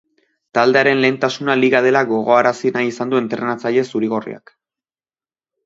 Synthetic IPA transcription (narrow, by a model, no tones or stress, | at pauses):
t̪ald̪e̞aɾe̞nle̞ːnt̪asunaliɣað̞e̞laɣo̞ɣ̞o̞aɾasinajisand̪ue̞nt̪ɾe̞nat͡saʎe̞suɾiɣ̞o̞rḭa̰k